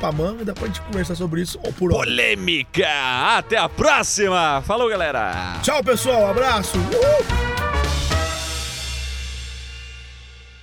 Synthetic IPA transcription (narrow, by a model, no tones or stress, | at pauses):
pamɐ̃w̃ĩd̪apɾɔɐʒẽt͡ʃɪkõveɾs̬as̬obɾɪisʊpʊɾpolẽmikɐat̪ɛɐpɾɔsimɐfalowɡalɛɾɐ̰t͡ʃawp̬esuawabɾasʊlew